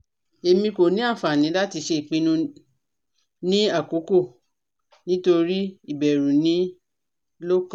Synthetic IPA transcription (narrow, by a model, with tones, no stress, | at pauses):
e˧mĩ˧ko˨nĩ˨˦a˦˨fa˨nĩ˨˦la˦ti˧ʃe˧i˨k͡pĩ˧nũ˧ | nĩ˦a˦˨ko˨˦ko˦˨ | nĩ˦to˧ɾi˦i˦˨bɛ˨ɾũ˨nĩ˨˦ | lo˦kã˦